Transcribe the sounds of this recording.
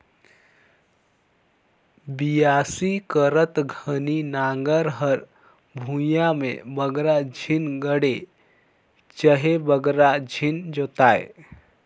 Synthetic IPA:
bijaːsikəɾət̪ɡʱəninaːŋɡəɾɦəɾ | bʱũjamḛ̃bəɡɾad͡ʒʱinɡəɽe | t͡ʃəɦebəɡɾad͡ʒʱind͡ʒoːt̪aːḛ

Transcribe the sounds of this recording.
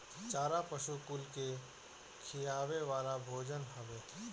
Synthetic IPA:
t͡ʃaːɾapəʃukʊlke | kʰɪjaːʋeʋaːlabʱoːd͡ʒənɦəʋeː

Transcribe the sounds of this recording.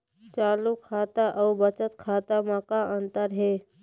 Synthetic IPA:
t͡ʃaːlukʰaːt̪aʔɔːbət͡ʃət̪kʰaːt̪amakaɐ̃nt̪əɾɦɛː

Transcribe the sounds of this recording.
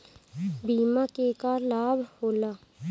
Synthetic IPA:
biːmakekalaːbʱhoːlaː

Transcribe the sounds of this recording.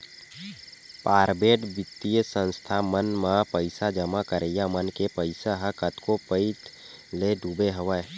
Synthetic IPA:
paːɾbeːʈbɪt̪ːijəsə̃nst̪ʰamənmapəɪsad͡ʒəmakəɾejamənkepəɪsaɦəkət̪kopəɪt̪ | leɖubeɦəʋə

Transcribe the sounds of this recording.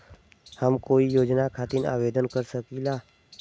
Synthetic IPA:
həmkoːijoːd͡ʒnakʰaːt̪ɪna̰ːʋeːd̪ənkəɾsəkilaː

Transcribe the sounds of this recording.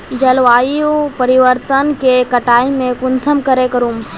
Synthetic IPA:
d͡ʒəlʋaːiupəɾiʋəɾt̪ənkekəʈaːimẽkʊnsəmkəɾekəɾuːm

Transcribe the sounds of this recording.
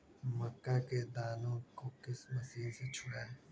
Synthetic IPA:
mɐkːaːked̪aːnõkokɪsmɐsiːnset͡ʃʰʊɽaː

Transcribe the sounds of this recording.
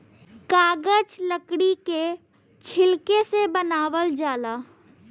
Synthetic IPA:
kaːɡəd͡ʒləkɽike | t͡ʃʰɪlkesebənaːʋəld͡ʒaːlaː

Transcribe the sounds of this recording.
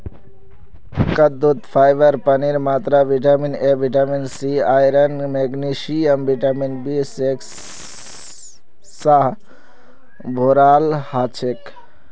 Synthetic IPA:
kəd̪ut̪pʰajbəɾpəniɾmat̪ɾabʱiʈaminebʱiʈaminsiajɾənmeɡnisiəmbʱiʈaminbiseks | saɦ | bʱoɾalhat͡ʃʰek

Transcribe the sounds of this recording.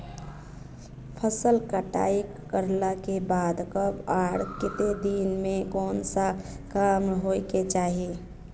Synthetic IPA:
pʰəsəlkəʈa̰ːikː | əɾlakebaːd̪kəbaɾkɪt̪ed̪inmẽkɔːnsa | kamɦoiket͡ʃaːɦi

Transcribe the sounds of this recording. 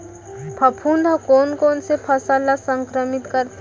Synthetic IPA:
pʰɐpʰuːnd̪ʱakoːnkoːnsepʰɐsalasə̃ŋkɾəmɪt̪kəɾt̪

